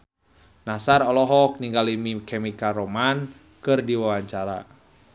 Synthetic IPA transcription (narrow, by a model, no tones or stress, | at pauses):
nasarɔlɔɦɔk̚niŋɡalimikɛmikaɾoman | kɨrdiwawaɲt͡ʃaɾa̰